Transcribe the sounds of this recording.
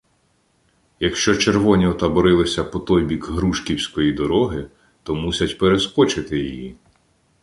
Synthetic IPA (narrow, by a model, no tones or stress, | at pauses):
jɐkʃt͡ʃɔt͡ʃe̞rʋɔnʲiɔt̪ɐbɔɾɪlˠɪsʲɐpɔt̪ɔjbʲikɦɾuʃkʲiwsʲkɔjid̪ɔɾɔɦɪ | t̪ɔmusʲɐtʲpeɾeskɔt͡ʃɪt̪ɪjiji